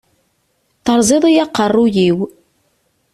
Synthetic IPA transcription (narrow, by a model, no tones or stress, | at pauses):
θəɾˤzˤiðˤijɑqːərˤːujiw